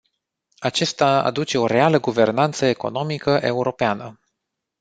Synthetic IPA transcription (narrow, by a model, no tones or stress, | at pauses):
at͡ʃest̪aa̰d̪ut͡ʃe̞o̞ɾe̞aləɡuve̞rnant̪səeko̞̰no̞mikəʔe̞uɾo̞peanə